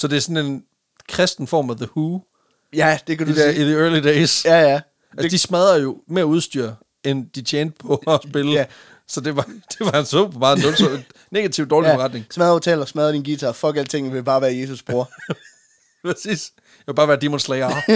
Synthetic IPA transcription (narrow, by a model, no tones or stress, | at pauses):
sɒ̽d̥e̝æsɔ̽ne̝n | kʰʁɛsd̥n̩fɒ̰ːmæðəhuː | jæd̥ekʰæ̥dæiðiɜɐlideɪsæ | ʔæsd̥ismæð̞ˠɐjo̝me̝ɐuð̞ˠsd̥y̰ɐ̰ | end̥it͡ɕʰeːnd̥̚pʰɒ̽ːsb̥e̝lə | sɒ̽d̥e̝ʋɑ̈d̥e̝ʋɑ̈ænsopʰɒmɑ̈ːð̩endɔɡ̥sɒnː | e̝ɡ̥æt͡sʰiʊd̥ɒːllifeʁɑ̈d̥ne̝ŋsmæðˠɐot͡sʰɛːlɐsmɛðˠɐd̥inɡ̥iːt͡sʰæfɒ̽ɡ̥æld̥t͡sʰe̝ŋ̰̩ʋe̝b̥ɑ̈ːʋæːɐje̝ːs̬usb̥ʁoɐ̰ | pʰɛsḭːs | jɑʋe̝b̥ɑ̈ːʋæːɐd̥imonslɛɪɑ